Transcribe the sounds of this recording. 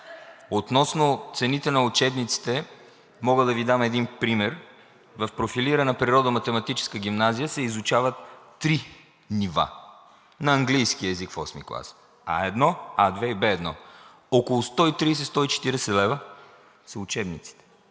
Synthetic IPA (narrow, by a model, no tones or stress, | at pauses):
ot̪nɔsnʊt̪sɛnit̪ɛnɐʊt͡ʃɛbnit̪si̥t̪ɛ | mɔɡəd̪ɐvid̪amɛd̪inpɾimɛɾ | vɐfpɾofiliɾənɐpɾiɾɔd̪əmɐt̪ɛmɐt̪it͡ʃɛ̥skəɡ̟ʲimnazijəsɛizʊt͡ʃavət̪ː | ɾi | niva̰ | nɐːŋɡlijskiəɛzikfɔ̰smḭklˠa̰s | a̰ɛd̪nɔad̪vɛibɛːd̪nɔ̰ | okolˠʊst̪ɔit̪ɾiːsɛst̪ɔit͡ʃɛ̥t̪iɾɛsɛlɛvə | sɐʊt͡ʃɛbnit̪si̥t̪ɛ̥